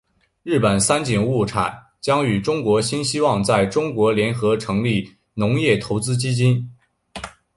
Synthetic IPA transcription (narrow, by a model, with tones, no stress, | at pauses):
ɻɻ̩˥˩pə˨˩nsa˥nt͡ɕi˨˩ŋu˥˩ʈ͡ʂʰa̰˨˩˦n | t͡ɕjɑ˥ŋy˨˩ʈ͡ʂʊ˥ŋkwɔ˧˥ɕi˥nɕi˥wɑ˥˧ŋt͡sa˥˩ɪʈ͡ʂʊ˥ŋkwɔ˧˥ljɛ˧˥nxɤ˧˥ʈ͡ʂʰɤ˧˥ŋli˥˩ | nʊ˧˥ŋjɛ˥˩t̪ʰo˧˥ʊt͡sɹ̩˥t͡ɕi˥t͡ɕi˥n